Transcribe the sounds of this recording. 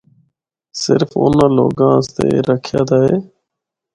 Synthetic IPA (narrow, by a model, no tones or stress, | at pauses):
sɪ̰ɾfo̰nãːloːɡãːəst̪eːɾəkʰjaːd̪aːɦeː